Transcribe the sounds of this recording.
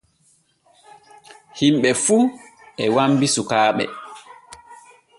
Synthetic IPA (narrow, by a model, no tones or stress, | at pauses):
himɓɛfuɛwambisukaːɓɛ̰